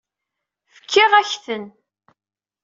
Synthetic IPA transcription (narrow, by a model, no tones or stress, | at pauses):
fə̥kʰːɪʁæçθən